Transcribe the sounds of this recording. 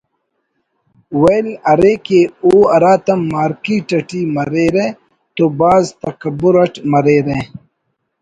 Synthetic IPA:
wɐjlɐɾekeoːɐɾaːt̪ɐmːaːɾkiːʈɐʈiːmɐɾeːɾẽ | t̪oːbaːzt̪ɐkɐbuɾɐʈmɐɾeɾẽ

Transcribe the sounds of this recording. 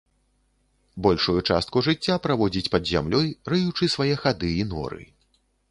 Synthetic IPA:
bɔlʲʂujut͡ʂa̰st̪̚kuʐɨt͡sʲːapɾavɔd͡zʲit͡sʲpɐd̪zʲa̰mlʲɔjrɨjut͡ʂɨsvajɛxad̪ɨinɔ̰ɾɨ̰

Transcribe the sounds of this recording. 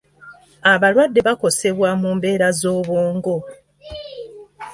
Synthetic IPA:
aβalwadːe̞βako̞se̞βwamuːmbe̞ːɾazo̞ːβoːŋɡo̞

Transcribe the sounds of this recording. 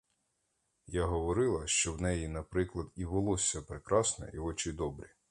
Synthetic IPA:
jaɦɔʋɔɾɪlˠɐʃt͡ʃɔwnɛjinɐpɾɪklˠɐd̪iʋɔlˠɔsʲːɐpɾekɾɑsnɔ̰ʔiɔt͡ʃid̪ɔbɾʲi

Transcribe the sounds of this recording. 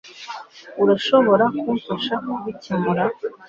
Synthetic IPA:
uɾaʃo̞βo̞ɾakufaʃakuβicimuɾa

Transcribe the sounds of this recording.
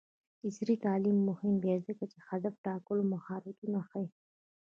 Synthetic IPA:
ɪsɾit̪ɑlimːʊhɪmb̪ɛzəkat͡ʃexad̪afʈɑkəlomaxɑɾat̪unaxi

